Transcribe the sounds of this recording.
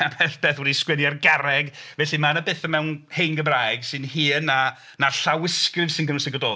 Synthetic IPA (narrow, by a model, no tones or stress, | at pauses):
abɛθb̥eːθwɪdiskwɛnjarɡaɾɛɡvɛɬimanəbeːθəmɛwnhejnɡəbrajɡsɨnhiːnːa | naɬawɪskrɨv̥sɨnɡənunsɪɡɔdoː